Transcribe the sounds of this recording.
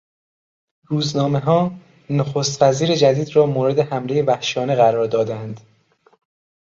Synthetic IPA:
ɾuːznɒːme̞ɦɒː | noxost̪væziːɾe̞d͡ʒæd̪iːd̪rɒːmoːɾe̞d̪e̞hæmle̞jevæhʃɒːne̞ɣæɾɒːɾd̪ɒːd̪ænd̪

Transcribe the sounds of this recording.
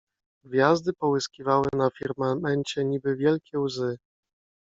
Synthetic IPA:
ɡvʲjazd̪ɘpɔwɘskʲivawɘnafʲiɾmamɛɲt͡ɕɛɲibɘvʲjɛlkʲɛwzɘ

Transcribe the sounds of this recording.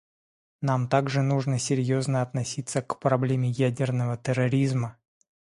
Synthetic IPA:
namt̪aɡʐɨnuʐnəsʲɪɾʲjoznəɐt̪nɐsʲit̪səkpɾɐblʲemʲɪjædʲɪrnəvət̪əɾɐɾʲizmə

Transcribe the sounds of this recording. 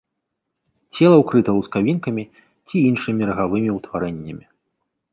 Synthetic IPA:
t͡sʲɛlˠɐwkɾɨt̪ɐwuskavʲinkɐmʲi | t͡sʲiinʂɨmʲiɾɐɣavɨmʲiwt̪vaɾɛnʲːɐmʲi

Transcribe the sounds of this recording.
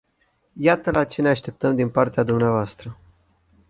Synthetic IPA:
jat̪əlat͡ʃe̞ne̞aʃt̪e̞p̚t̪əmd̪inpart̪ead̪umneavoast̪ɾə

